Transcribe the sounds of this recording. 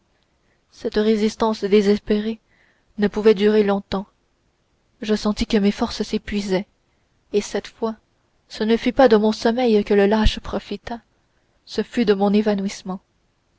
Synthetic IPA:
sɛt̪ʁezist̪ɑ̃sd̪ezɛspeʁe | nəpuvɛd̪yʁelɔ̃t̪ɑ̃ | ʒəsɑ̃t̪ikəmefɔʁssepɥizɛ | esɛt̪fwa | sənəfypad̪əmɔ̃sɔmɛjkələlaʃpχɔfit̪a | səfyd̪əmɔ̃nevanwismɑ̃

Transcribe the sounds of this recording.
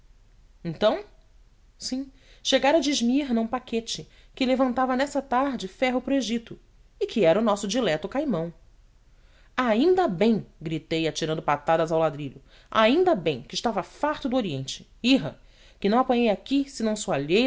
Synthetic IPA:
ẽnt̪ɐ̃w̃ | sĩ | ʃeɡaɾɐd͡ʒiʒmiɦnɐũpaket͡ʃɪ | kɪlevɐ̃nt̪avɐnɛsɐt̪aɾd͡ʒɪfɛɦʊpɾʊeʒit̪ʊ | ɪkʰɪɛɾɐʊnɔsʊd͡ʒilɛt̪ʊkajmɐ̃w̃ | aĩnd̪ɐbẽj̃ɡɾit̪ejat͡ʃiɾɐ̃d̪ʊpat̪ad̪ɐzawlad̪ɾiʎʊ | aĩnd̪ɐbẽj̃kɪʃt̪avɐfaɾt̪ʊd̪ʊoɾiẽnt͡ʃɪ̥iɦɐ | kɪnɐ̃w̃apɐ̃ɲejakisɪnɐ̃w̃suaʎej

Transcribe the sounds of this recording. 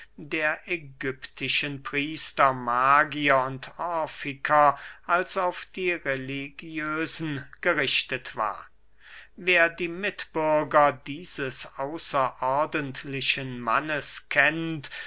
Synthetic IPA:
deːɐʔɛɡʏptʰɪʃənpʁ̥iːstɐmaːɡiɐʊntʰɔɐfɪkʰɐʔalsaʊfd̥iːʁeliɡjøːzn̩ɡ̥əʁɪʃtətv̥a̰ːɐ | veːɐdiːmɪtb̥ʏɐɡɐdiːzəsaʊsɐʔɔɐdəntʰlɪʃənma̰nəskʰɛnt

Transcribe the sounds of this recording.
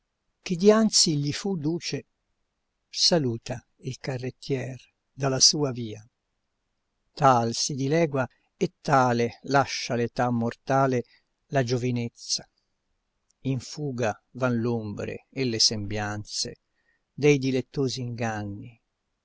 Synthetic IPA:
k̟id̪iant̪siʎifud̪uːt͡ʃe | saluːt̪a | ilkarːet̪ːjɛːr | d̪alasuːaviːa | t̪alsid̪ilɛːɡwa | et̪ːaːlelaʃːalet̪amːort̪aːle | lad͡ʒovinet̪sːa | iɱfuːɡavanlombɾḛːlːesembjant̪sḛ | d̪ɛjd̪ilet̪ːoːziːŋɡanːi

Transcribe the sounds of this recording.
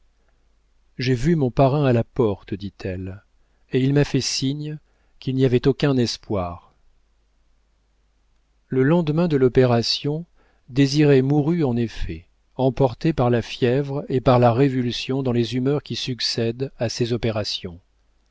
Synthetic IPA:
ʒevymɔ̃paʁɛ̃alapɔʁt̪d̪it̪ʰɛl | eilmafɛsiɲ | kʲilniavɛt̪okʲɛ̃nɛspwaːʁ | ləlɑ̃d̪mɛ̃d̪əlɔpeʁasjɔ̃ | d̪eziʁɛmuʁyɑ̃nefɛ | ɑ̃pɔʁt̪epaʁlafjɛvʁepaʁlaʁevylsjɔ̃d̪ɑ̃lezymœʁkʲisyksɛd̪asezɔpeʁasjɔ̃

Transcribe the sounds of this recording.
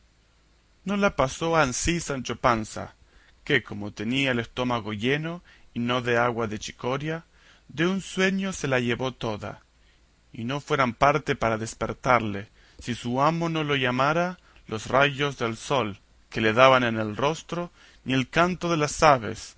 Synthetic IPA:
no̞lapaso̞ansisant͡ʃopansa̰ | keko̞mo̞t̪e̞niaele̞st̪o̞maɣo̞ʝe̞no̞ino̞ðe̞aɣwaðe̞t͡ʃi̥ko̞ɾja | ðe̞unswe̞ɲo̞se̞laʝe̞βo̞t̪o̞ða̰ | ino̞fwe̞ɾampaɾt̪e̞paɾaðe̞spḛɾt̪aɾle̞ | sisuamo̞no̞lo̞ʝamaɾa | lo̞srʔajo̞zðe̞lso̞l | ke̞leðaβanenelro̞st̪ɾo̞ | nie̞lkant̪o̞ðe̞lasaβ̞e̞̰s

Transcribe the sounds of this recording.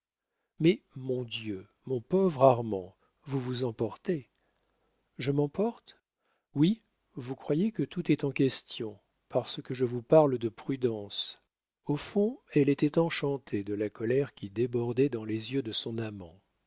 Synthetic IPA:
mɛmɔ̃d̪jø | mɔ̃pɔvʁaʁmɑ̃ | vuvuzɑ̃pɔʁt̪e | ʒəmɑ̃pɔʁt̪ | wi | vukχwajekət̪ut̪ɛt̪ɑ̃kʲɛst̪jɔ̃ | paʁsəkəʒəvupaʁld̪əpχyd̪ɑ̃s | ofɔ̃ɛlet̪ɛt̪ɑ̃ʃɑ̃t̪ʰed̪əlakɔlɛʁkʲid̪ebɔʁd̪ɛd̪ɑ̃lezjød̪əsɔ̃namɑ̰̃

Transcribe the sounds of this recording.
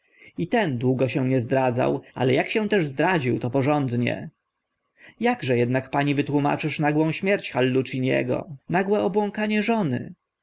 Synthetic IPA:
it̪ɛnd̪wuɡɔɕɛ̃ɲɛzd̪ɾad̪za̰wa̰lɛjakɕɛ̃t̪ɛʐzd̪ɾad͡ʑiwt̪ɔpɔʐɔnd̪ɲɛ̰ | jaɡʐɛjɛd̪nakpaɲivɘt̪wuma̰t͡ʂɘʂnaɡwɔ̃w̃ɕmʲjɛɾt͡ɕxalːut͡ʂiɲɛ̰ɡɔ̰naɡwɛɔbwɔ̃ŋkaɲɛʐɔnɘ̰

